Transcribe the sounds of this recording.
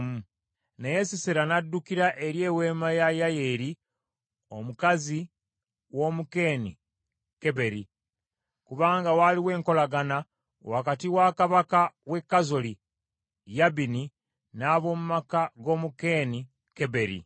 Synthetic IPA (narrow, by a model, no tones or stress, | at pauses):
mu | neje̞siseɾanadːukiɾaʔe̞ɾje̞ːwe̞ːmajajajeɾi | o̞mukazi | wo̞muke̞ːni | ke̞βe̞ɾi | kuβaːŋɡawaliwe̞ːŋko̞laɡana | wakatiwakaβakawe̞kːazoli | jaβini | naːβo̞ːmumakaɡo̞ːmuke̞ːni | ke̞βe̞ɾḭ